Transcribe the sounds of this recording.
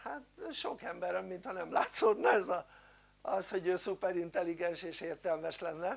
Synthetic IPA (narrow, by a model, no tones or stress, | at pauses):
hat̪ʃo̞kɛmbɛɾɛmːint̪hɒnɛmlaːt̪soːd̪nɒɛzɒ | ɒsho̞ɟøːsupɛɾint̪ɛliɡɛnʃeːʃeːrt̪ɛlmɛʃlɛnːɛ